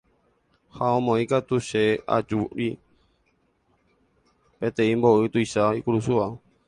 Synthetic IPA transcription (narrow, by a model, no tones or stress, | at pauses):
haɔmɔ̃ikat̪usɛa̰d͡ʒuɾi | pɛt̪ɛimbɔɨt̪uisaikuɾusua